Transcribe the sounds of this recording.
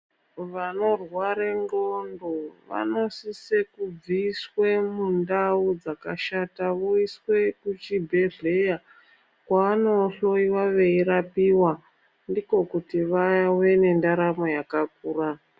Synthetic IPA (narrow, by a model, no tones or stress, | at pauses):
ʋano̞rwaɾeŋɡondoʋa̰no̞sise̞kub͡viːswemundaud͡zakaʃataʋoiswe̞kut͡ʃibʱe̞ɮe̞ja | kwaano̞ɬo̞iwaʋe̞iɾapiwa | ndiko̞kutiʋawe̞ne̞ndaɾamo̞jakak̚uːra